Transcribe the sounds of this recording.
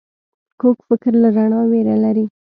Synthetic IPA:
kokfɪkɾlaɾaɳɑweɾalaɾi

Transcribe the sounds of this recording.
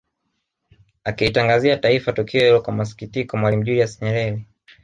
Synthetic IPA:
akiitaŋɡaziataifatukʰiɔjilɔkwamas̬i̥kitikɔmwalim̩ʄuliasɲɛɾɛɾi

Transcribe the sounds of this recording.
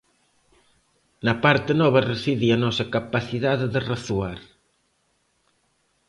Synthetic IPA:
nɐpaɾt̪ɪnɔβɐresiðiɐnɔsɐkapaθiðaððeraθuaɾ

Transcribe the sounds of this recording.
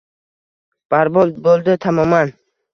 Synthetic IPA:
b̥aɾbolbolˠd̪ɪt̪ʰamɒman

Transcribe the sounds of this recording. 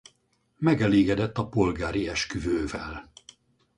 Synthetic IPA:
mɛɡɛleːɡɛd̪ɛt̪ːɒpo̞lɡaːɾiɛʃkyvøːvɛl

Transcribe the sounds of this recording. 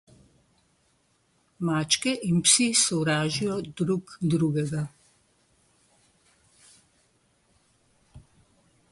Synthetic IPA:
maːt͡ʃkɛʔinpsisɔwɾaːʒijɔd̪ɾukd̪ɾuːɡɛɡa

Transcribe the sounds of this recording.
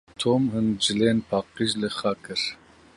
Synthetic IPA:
t̪ʰoːmhɨnd͡ʒɨleːnpʰɑːqiʒlɨχɑkʰɨɾ

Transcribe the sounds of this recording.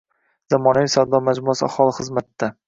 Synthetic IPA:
z̥amɒnaisawd̪ɒmad͡ʒmʊasɪahɒlˠɪχɨzmat̪d̪a

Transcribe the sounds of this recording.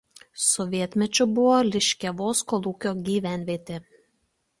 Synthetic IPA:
sɔʋʲiɛt̪ʲmʲɛt͡ʃʲʊbʊʋoːlʲɪʃʲkʲɛʋoːskɔlˠuːkʲoːɡʲiːʋʲæˑnʲʋʲiɛt̪ʲeː

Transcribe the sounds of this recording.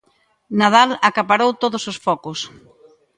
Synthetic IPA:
nað̞alakapaɾowt̪oðʊsosfɔkʊs

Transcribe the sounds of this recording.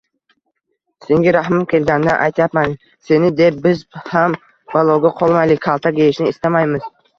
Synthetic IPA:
seŋɡʲɪɾaɦmakʲʰe̞lɡʲanːaʔa̰jt̪ʰajapman | se̞nɪd̪e̞p̚bɪzham | balˠɒwɡʲaqʰɒlˠmajlɪkʲʰalˠt̪ʰaɡʲejɪʃnɪːst̪amajmɪz̥

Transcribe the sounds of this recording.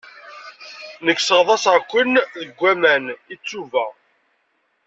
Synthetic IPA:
nəkːsəʁðˤɑsʁkʷːənðəɡʷːæmænit͡sːuvæ

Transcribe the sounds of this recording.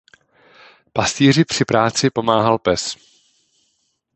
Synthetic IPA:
past̪iːr̝ɪpr̝̥ɪpɾaːt͡sɪpo̞maːɦalpɛs

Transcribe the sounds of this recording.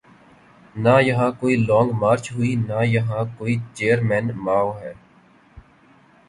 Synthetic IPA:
najəɦãːkoːilɔ̃ːŋɡmaːɾt͡ʃɦʊiːnaːjəɦãːkoːiːt͡ʃeːəɾmɛ̃ːnmaːoɦɛː

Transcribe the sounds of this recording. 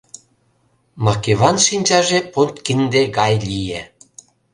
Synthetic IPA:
mɑkeβɑnʃinʲt͡ɕɑʒepolt̪kind̪eɣɑjlʲije

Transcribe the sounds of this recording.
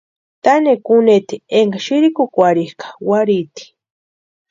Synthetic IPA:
t̪anekunet̪ieŋɡaʃiɾikukʷaɾihkḁwaɾit̪i̥

